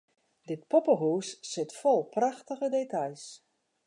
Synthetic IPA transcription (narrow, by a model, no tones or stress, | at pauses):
dɪt̚pɔpəɦuːsːɪtfɔlˠpraxtəɣədetʰajs